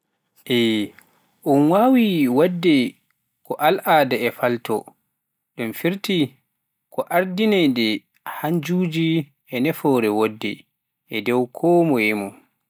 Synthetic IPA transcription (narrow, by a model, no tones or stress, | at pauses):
ʔɛ | ʔunwawiwadːɛ | kɔʔalʔaːdaɛfaltɔ̰ | ɗumfiɾti | kɔʔaɾdinɛjdɛ | hand͡ʒuːd͡ʒi | ʔɛnɛfɔɾɛwodːɛ̰ | ʔɛdɛwkʰɔːmɔɛmɔ